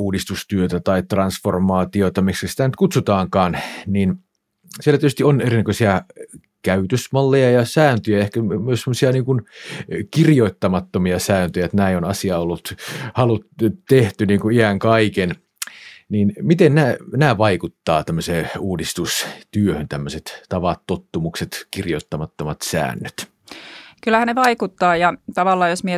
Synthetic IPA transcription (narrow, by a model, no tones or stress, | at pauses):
uːdist̪ust̪yøt̪æt̪ɑit̪rɑnsformɑːt̪iot̪ɑmikskæsi̥t̪ænyt̪̚kut̪sut̪ɑːŋkɑːnniːn | sielætityst̪ionerinækøsiɑ | kæyt̪øsmɑlːejɑjɑsæːnt̪øjæehkæmyøssemːosiɑniːŋkunkirjoit̪ːɑmɑt̪ːomiɑsæːnt̪øjæet̪næionɑsiɑolːut̪hɑlut̪t̪eht̪yniːŋkuiæŋkɑiken | niːnmit̪ennæːnæːʋɑikut̪ːɑːt̪æmːøseːuːdist̪ust̪yøhønt̪æmːøset̪t̪ɑʋɑt̪ːot̪ːumukset̪kirjot̪ːɑmɑt̪ːomɑt̪sæ̰ːnːøt̪ | kylːæhænneʋɑikut̪ːɑːjɑt̪ɑʋɑlːɑːjosmie